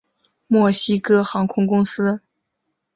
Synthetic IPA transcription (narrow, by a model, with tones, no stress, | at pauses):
mwɔ˥˩ɕi˥kɤ˥xɑ˧˥ŋkʰʊ˥ŋkʊ˥ŋsɹ̩˥